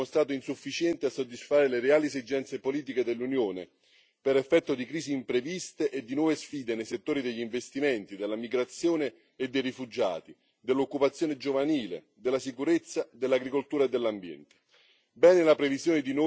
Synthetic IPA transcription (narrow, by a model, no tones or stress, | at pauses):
ost̪ɾaːt̪oinsufːit͡ʃjɛnt̪easːod̪ːisfaːɾeleɾeaːlisid͡ʒːɛnt̪sepoliːt̪̬iked̪elːunjoːnḛ | peɾefːɛt̪ːod̪ikɾiːsiːmpɾevist̪eʔed̪ːinwɔːvesfiːd̪enejset̪ːoːɾid̪eʎːiɱvest̪iment̪id̪elːamiɡɾat̪sːjoːneː | d̪ːejrifud͡ʒa̰ːt̪i | d̪elːokːupat̪sːjoːned͡ʒovaniːlḛ | d̪ɪlːasikuɾet̪sːad̪elːaɡɾikolt̪uːɾaed̪ːelːambjɛ̰nt̪e̥ | bɛːnelapɾeviszjoːned̪ino